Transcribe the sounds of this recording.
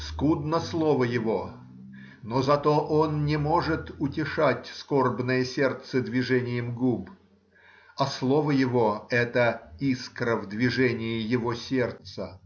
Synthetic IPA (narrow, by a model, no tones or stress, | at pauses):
skud̪nəslˠo̞vəjɪvo̞ | nozɐt̪oʔonnʲɪmo̞ʐɨt̪ʊtʲɪʂatʲsko̞rbnəjəsʲe̞rt̪səd̪vʲɪʐɛnʲɪjɪmɡub | ɐslˠo̞vəjɪvo̞ɛt̪əiskɾəvd̪vʲɪʐɛnʲɪjɪjɪvo̞sʲe̞rt̪sə